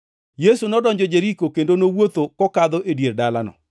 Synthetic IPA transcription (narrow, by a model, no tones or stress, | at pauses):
jesunɔdɔɲd͡ʒɔd͡ʒeɾikokendonowot̪okɔkad̪ɔʔedjerdala̰nɔ̰